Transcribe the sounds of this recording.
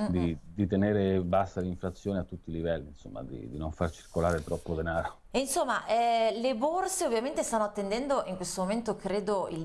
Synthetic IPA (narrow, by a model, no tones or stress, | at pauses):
d̪id̪it̪eneːɾebast̪aliɱfɾat̪sːjoːneat̪ːut̪ːilivɛlːinso̰mːa̰d̪ḭd̪inoɱfart͡ʃirkolaːɾet̪ɾɔpːod̪enaːɾo | insomːaʔɛleborseovːjament̪est̪anːoat̪ːend̪ɛnd̪oʔiŋkwest̪omoment̪okɾeːd̪oil